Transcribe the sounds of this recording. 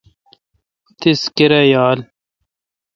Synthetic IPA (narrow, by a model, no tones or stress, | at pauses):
t̪iskiɾɐjaːl